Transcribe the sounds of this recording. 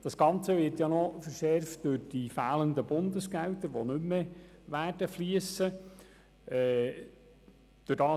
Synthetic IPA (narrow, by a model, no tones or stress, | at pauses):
d̥ɑsɡ̥ɑnt͡səʋɪɾtjɑnɔfəɾʃɛrftd̥øɾd̥ifæːləndəbʊndəsɡ̥æltəɾʋonʏmːeʋæːrd̥əfliəsə | ɛ | d̥øɾd̥ɑː